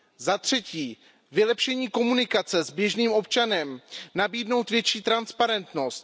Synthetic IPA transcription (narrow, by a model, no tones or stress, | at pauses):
zat̪r̝̥ɛciː | vɪlɛpʃɛɲiːko̞munɪkat͡sɛzbjɛʒniːmʔo̞p̚t͡ʃanɛmnabiːdno̞wt̪vjɛt͡ʃiːt̪ɾanspaɾɛnt̪no̞st̪